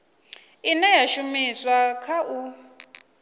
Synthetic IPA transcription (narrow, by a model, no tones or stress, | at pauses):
inɛjaʃumiswakʰaʔu